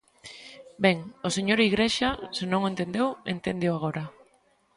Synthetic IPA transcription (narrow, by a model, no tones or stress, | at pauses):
beŋoseɲoɾiɣɾeʃasɪnõŋent̪end̪ewḛnt̪end̪ewaɣ̞oɾa